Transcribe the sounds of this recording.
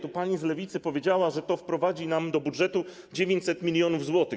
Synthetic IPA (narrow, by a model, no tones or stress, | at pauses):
t̪upaɲizlɛvʲit̪sɘpɔvʲjed͡ʑawaʐɛt̪ɔfpɾɔvad͡ʑinamd̪ɔbudʐɛt̪u | d͡ʑevʲjeɲt͡ɕsɛt̪mʲilʲjɔnuvzwɔt̪ɘ